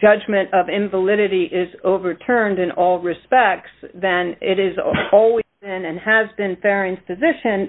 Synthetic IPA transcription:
ʒ̥ʌd͡ʒmɨ̃ɾ̃tʌvɪ̃ɱvəlɪɾɨɾiʔɪzoʊvə˞tʰɜ̃˞ndɨ̃nʔɔlˠɹɨspɛk̚tsðɨ̃nɪɾɨzɔlˠwizbɪ̃nɨ̃nɨzbɨ̃nfɛɹĩnz̥pʰɨzɪʃɨ̃n

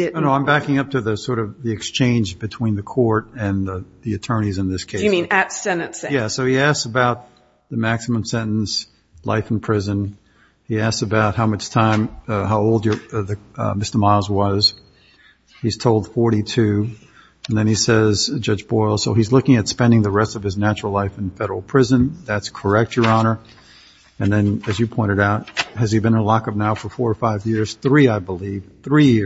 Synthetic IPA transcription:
onoʊãɪ̃mbækɪ̃ŋʌp̚tʰɨðɨsɔɹɾʌvðiɨkst͡ʃʰẽɪ̃nd͡ʒbɨtʰw̥ĩnðɨkʰɔɹɾɨ̃nðiɨtʰɜ̃˞ñizɨ̃nðɪskʰeɪĩnɨtsɛnɨtsjæsoʊiæsksəbaʊt̪̚ | ðɨmæksəmə̃msɛ̃nn̩s | lʔa̰ɪfn̩pʰɹ̥ɪzɨ̃n | iæssɨbaʊt̚haʊmʌt͡ʃtʰãɪ̃mɦaʊoʊlˠdə˞ðɨmɪstə˞mazwʌz̥ | hiz̥tʰoʊlˠd̥fɔɹɾitʰʉ | ɨ̃nðɨ̃nisɛzd͡ʒʌd͡ʒbɔɪlˠsoʊizlʊkɪ̃ŋɨtspɛ̃ndɪ̃ŋðəɹɛstʌv̥ɨznæt͡ʃɹl̩ˠlaɪfɨ̃nfɛɾə˞l̩ˠpʰɹ̥ɪzɨ̃nðætskʰə˞ɛk̚t͡ʃə˞ɑnə˞ | ɨ̃nðɨ̃nɨzjɨpʰɔ̃ɪ̃ɾ̃ɨɾaʊt̚ɨz̥ibɨ̃ñəlɑkʌvnaʊfə˞fɔɹfaɪvjɪɹz̥θɹiaɪbəliv̥θɹijɪ

